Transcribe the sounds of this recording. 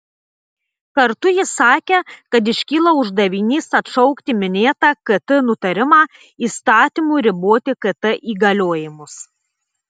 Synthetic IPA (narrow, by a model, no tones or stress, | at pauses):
kɐɾt̪ʊjɪsɑːkʲekɐt̪̬ɪʃʲkʲiːlˠɐʊʒd̪ɐʋʲinʲiːsɐt̪ʃɔʊkt̪ʲɪmʲɪnʲeːt̪ɑːkɐt̪ʲɐnʊt̪ɐɾʲɪmɑː | iːst̪ɑːt̪ʲimuːɾʲɪboɔt̪ʲɪkɐt̪ʲɐʔiːɡɐlʲoːjɪmʊs